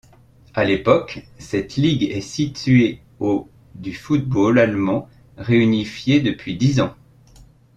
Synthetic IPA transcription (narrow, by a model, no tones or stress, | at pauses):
alepɔk | sɛt̪liɡɛsit̪ɥe | o | d̪yfut̪̚bolalmɑ̃ | ʁeynifjed̪əpɥid̪izɑ̃